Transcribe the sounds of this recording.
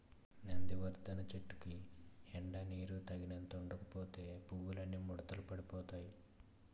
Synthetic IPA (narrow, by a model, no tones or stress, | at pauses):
nɐnd̪iʋɐɾd̪ɐnɐt͡ʃeʈːu̥kiɛɳɖɐniːɾut̪ɐɡinɐnt̪ɐuɳɖɐkɐ̥poːt̪e̞ːpuwulɐnːimuɽɐt̪ɐlɐpɐɽipɔːt̪aːji